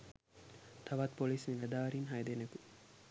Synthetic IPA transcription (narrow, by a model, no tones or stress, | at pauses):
t̪aʋɐt̪polismiʋæd̪aːɾinɦajd̪eneku